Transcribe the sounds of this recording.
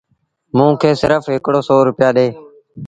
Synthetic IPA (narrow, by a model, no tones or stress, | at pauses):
mũːkʰeːsɪɾəfɦɪkɽoːsoːɾʊpɪjaːɗeː